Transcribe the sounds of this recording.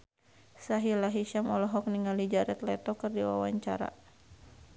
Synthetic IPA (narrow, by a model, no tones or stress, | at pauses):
saɦilaɦiʃamɔlɔɦɔk̚niŋalid͡ʒaɾɛt̪lɛt̪ɔkɨrdiwa̰waɲt͡ʃa̰ɾa̰